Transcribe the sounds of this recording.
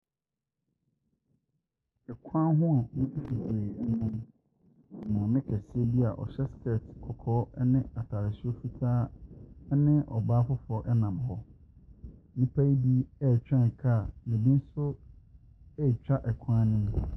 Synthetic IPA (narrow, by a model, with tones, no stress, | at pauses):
ɛ˨kʷʰã˦ɦʊ̃˦a˨mũ˦fi˦fi˨fe˨˦nʊ̃˦m˨ | mã˨mɪ̃˦kʰæ˨si˦e˦bi˦a˨ʔɔ̰˨ɕɛ˦skʰe˦˨tkʰɔ˨kʰɔː˨˦nɪ̃˦a˨tʰaː˨ɾɪ˨su˦o˦fi˦tʰaː˦ | nɪ̃˦ʔɔ˨baː˦fʊ˦fʊ˨ɔ˦ʔɛ˦nã˨m˨hɔ˦ | nĩ˦pʰa˦i˦di˦ɛ˦˨t͡ɕᶣã˦˨n˨kʰa˦˨mɪ̃˨bĩ˦n̩˦sʊ˦ | ɛ˦˨t͡ɕᶣa˦ʔɛ˨kʷʰã˦nɪ̃˦nʊ̃˦